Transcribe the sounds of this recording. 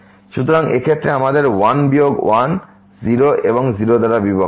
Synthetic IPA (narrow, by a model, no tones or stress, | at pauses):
ʃut̪ɔɾaŋḛkʰet̪ːɾeamad̪eɾwanbijoɡwan | ziɾoʔebɔŋziɾod̪aɾabibʱa